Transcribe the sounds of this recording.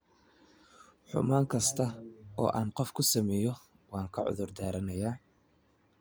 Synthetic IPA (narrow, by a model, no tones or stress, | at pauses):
ħʊ̰maːŋkʰɐst̪ʰɐɔ̰ːʔaːnqɔfkʰʊsɐmɛːjɔ | wɑːŋkʰɐʕʊ̰ðʊrd̪aːɾɐnɐjaː